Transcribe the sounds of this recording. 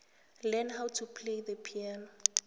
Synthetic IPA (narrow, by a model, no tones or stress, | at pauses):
lɛnɦawtʰupʰlejðəpʰiɛn